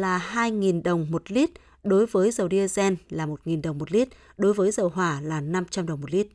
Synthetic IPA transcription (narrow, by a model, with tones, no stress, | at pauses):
laː˨˩ɦaː˧jŋi˨˩nɗə˨˩wŋ͡mmo˨˩t̚li˦˥t̚ | ɗo˨˦jvəː˨˦jzə˨˩wɗi˧ʔə˧zɛ˧nlaː˨˩mo˨˩t̚ŋi˨˩nɗə˨˩wŋ͡mmo˨˩t̚li˦˥t̚ | ɗo˨˦jvəː˨˦jzə˨˩wɦwaː˧˩laː˨˩na˧mt͡ɕa˧mɗə˨˩wŋ͡mmo˨˩t̚li˦˥t̚